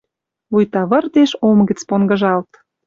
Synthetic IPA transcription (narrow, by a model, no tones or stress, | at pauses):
βujt̪ɑβə̆rd̪eʃomɡə̆t͡sponɡɤ̆ʒɑlt̪